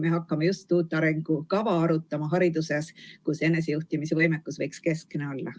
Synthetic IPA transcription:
me̞ɦɑkːɑmejust̪ːuːt̪ːˑɑɾe̞ŋɡ̥ukɑvɑɑɾut̪ːˑɑmɑɦɑɾid̪̥use̞skuse̞nːe̞s̬ejuht̪imisevɤjmekːusvɤjkske̞skneo̞lːɑ

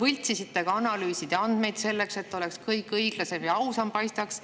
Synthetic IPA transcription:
vɤlʲt̪ʲsisit̪ːe̞ɡ̥ɑɑnɑlyːsid̪̥ɑnd̪̥me̞jd̪se̞lːe̞kse̞t̪ːo̞le̞kskɤjkˑɤjɡ̥lɑse̞mjɑɑwsɑmpɑjst̪ɑks

